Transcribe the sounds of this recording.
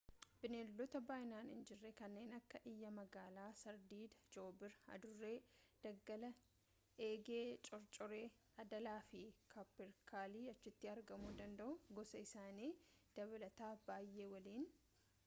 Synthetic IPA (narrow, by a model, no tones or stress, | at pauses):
b̥ɪneːlːɔt̪ɐbaːʔɪnaːnɪ̰nd͡ʒɪrːekɐnːe̞ːnɐkːɐʔɪjːɐmɐɡaːlaːsɐɾd̪iːd̪d͡ʒoːbɪɾɐ̰d̪ʊrːe̞ːd̪̥ɐɡːɐlɐ | ʔeːɡe̞ːt͡ʃʼɔɾt͡ʃʼɔɾe̞ː | ɐd̪ɐlaːfɪkʰɐpːɪɾkʰaːliːɐt͡ʃːɪt̪ːɪɐɾɡɐmuːd̪ɐnd̪ɐʔʊɡɔsɐɪsaːniːd̪̥ɐβɐlɐt̪aːbaːjːe̞ːwɐliːn